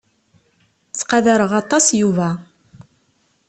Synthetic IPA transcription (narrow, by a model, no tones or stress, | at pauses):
t͡sːqɑðaɾəʁɑt̪ˤːɑsjuvæ